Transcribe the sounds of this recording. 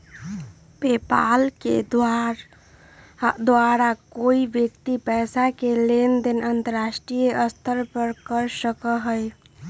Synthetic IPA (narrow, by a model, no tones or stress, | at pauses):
pepa̰lked̪ɾ | d̪ʋaɾakoibjəkt̪ipɛjsakelend̪enənt̪əɾasʈɾijeʔəst̪ʰəɾpəɾkəɾsəkəɦəj